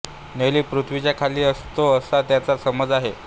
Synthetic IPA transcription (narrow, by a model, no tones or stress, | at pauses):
neliːpɾut̪ʰʋit͡ɕjakʰaliːəst̪oəsat̪jat͡sasəməd͡zaɦe